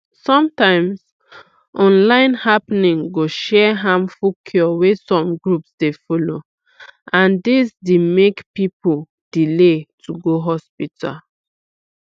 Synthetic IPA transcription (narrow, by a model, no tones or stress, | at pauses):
sɔ̃mtãɪ̃ms | ʔɔ̃nlãɪ̃nhapnĩŋɡoʃɛɦãmfukʰjɔwesɔ̃mɡɹupsdefɔlo | ãndisdemekpipol | d̥iletʰuɡoɦɔspitʰa̰l